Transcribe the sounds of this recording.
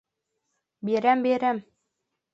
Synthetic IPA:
beɾæmbeɾæm

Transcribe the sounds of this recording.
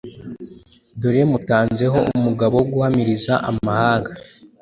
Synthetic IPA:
doɾemutaːnze̞ɦo̞ʔumuɡaβo̞wɡuhamiɾizaʔamahaːŋɡa

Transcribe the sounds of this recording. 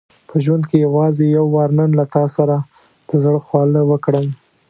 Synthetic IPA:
pʰəʒwand̪kejawɑzejawːɑɾnənlat̪ɑsaɾa | d̪̥əzɽəxwɑləwəkɽəm

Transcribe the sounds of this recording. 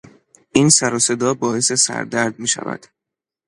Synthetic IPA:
ʔinsæɾɒːse̞d̪ɒːbɒːe̞se̞sæ̰ɾd̪æɾd̪̚miːʃæ̰væ̰d̪̥

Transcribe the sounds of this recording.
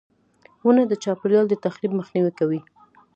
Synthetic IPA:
wunad̪ət͡ʃɑpɪljɑld̪ət̪axɾibməxniwikawi

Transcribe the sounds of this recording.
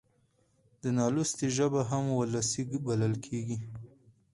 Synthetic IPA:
d̪ənɑlust̪iʒəbaɦamwəlasiɡbaləlkʰeɡi

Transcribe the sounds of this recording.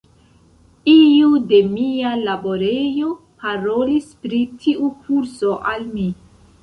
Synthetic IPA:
iude̞mialabo̞ɾe̞jo̞ | paɾo̞lispɾitʰiʔukʰuɾso̞ʔalmi

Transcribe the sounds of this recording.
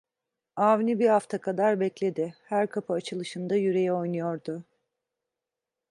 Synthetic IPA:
aːvnibihaft̪ʰakʰad̪aɾbɛclʲe̞d̪ɪhæɾkʰapʰɯat͡ʃʰɯlˠɯʃɯnd̪ajyɾe̞jɛo̞jnɯjo̞ɾd̪ʊ

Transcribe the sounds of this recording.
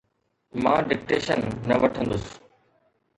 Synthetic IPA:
mã̰ːɖɪk̚ʈeːʃənːɐʋɐʈʰə̃nd̪ʊsɪ̥

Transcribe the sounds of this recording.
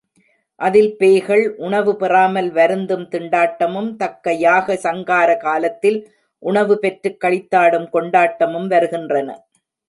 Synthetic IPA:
ʔɐðɪlpeːɣɐɭʔʊɳɐʋɯpɪraːmɐlʋɐɾɯnd̪ɯmt̪ɪɳɖaːʈːɐmɯmt̪ɐkːɐjaːɣɐsɐŋɡaːɾɐkaːlɐt̪ːɪl | ʔʊɳɐʋɯpɛʈrɯkːɐɭɪt̪ːaːɽɯmkɔɳɖaːʈːɐmɯmʋɐɾɯɣɪndrɐnɐ̰

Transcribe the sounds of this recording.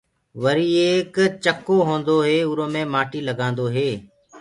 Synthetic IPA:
ʋəɾiːeːkt͡ʃəkoːɦõːnd̪oːɦeːʊɾõːmẽːmaːʈiːləɡãːnd̪oːɦeː

